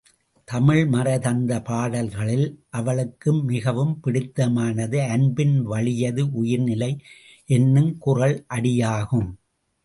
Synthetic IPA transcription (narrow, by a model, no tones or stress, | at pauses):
t̪ɐmɪɭmɐɾɐðɐnd̪ɐpaːɽɐlɣɐɭɪlʔɐʋɐɭɯkːɯmːɪɣɐʋɯmpɪɽɪt̪ːɐmaːnɐðɯɐɳbɪnʋɐɭɪjɐðɯʔʊjɪɾnɪlɐɪ | ʔɛnːɯmkʊrɐɭʔɐɽɪjaːɣɯm